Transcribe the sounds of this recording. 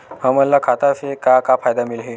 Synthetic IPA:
ɦəməlːakʰat̪asekakafajd̪amilɦi

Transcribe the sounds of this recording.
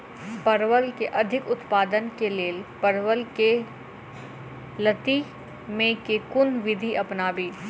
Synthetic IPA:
pɐɾʋəlkeʔɐd̪ʱɪkʊt̪paːd̪ənkeleːlpɐɾʋəlke | lɐt̪i | mẽkekʊnd̪ʋɪd̪ʱiʔɐpnaːbiː

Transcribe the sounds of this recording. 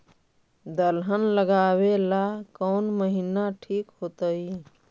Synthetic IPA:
d̪əlɦənləɡaːwelakəʊnməɦinaʈʰiːkɦoːt̪əi

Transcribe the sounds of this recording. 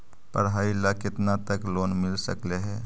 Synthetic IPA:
pə̰ɾɦaːilakɪt̪nat̪ɐkloːnmɪlsɐ̰kleɦɛː

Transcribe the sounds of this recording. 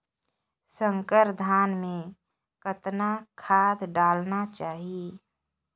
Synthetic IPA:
sə̃ŋkəɾd̪ʱaːnmẽ | kət̪nakʰaːd̪ɖaːlnat͡ʃaːɦie

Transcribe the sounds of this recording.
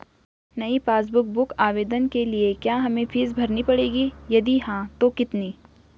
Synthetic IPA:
nɐipaːs̬bʊk̚bʊkaːʋeːd̪ənkeliekjaːɦɐmẽpʰiːsbʱɐɾnipɐɽeːɡijɐd̪iɦãt̪okɪt̪niː

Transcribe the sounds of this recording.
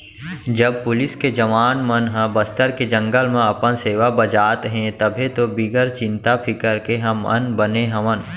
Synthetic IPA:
d͡ʒəb̚pʊlɪsked͡ʒɐʋaːnmənɦə̃bəst̪əɾked͡ʒə̃ŋɡəlmẽɐpənseːʋabəd͡ʒaːt̪ɦɛ̃t̪əbʱet̪obɪɡəɾt͡ʃɪ̃nt̪apʰɪkəɾkeɦɐmə̰̃nbəneɦɐʋən

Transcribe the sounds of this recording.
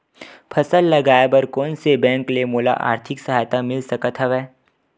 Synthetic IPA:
pʰɐsəlːɐɡaːjebɐɾkɔːnsebɛ̃ːŋklemoːla̰ʔa̰ːɾt̪ʰɪksɐɦaːjt̪amɪlsɐkət̪ɦɛʋɛː

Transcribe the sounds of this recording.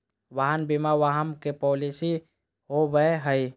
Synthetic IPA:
ʋaɦənbimaʋaɦəmkepɔːlisi | ɦoʋəɦəi

